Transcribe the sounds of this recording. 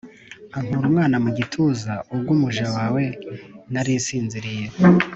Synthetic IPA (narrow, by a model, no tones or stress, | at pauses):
aŋ̥huɾumŋaːnamuɟitʰuzaub̚ɡumuʒawawe̞naɾisiːnziɾije